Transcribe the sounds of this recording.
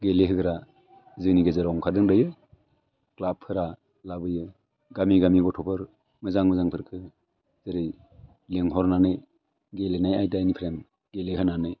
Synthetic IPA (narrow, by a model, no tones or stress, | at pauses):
ɡeleɦɯɡɯɾa | zɯniɡɯzɯɾɔŋkʰadɯŋdɯjɯ | klapʰːɯɾa | labɯjɯ | ɡamiɡamiɡɔtʰɔpʰɯɾ | mɯzaŋmɯzaŋpʰɯɾkʰɯ | z̥ɯɾɯj | leŋɦɔɾnanɯj | ɡelenajajdajnipʰɾem | ɡeleɦɯnanɯj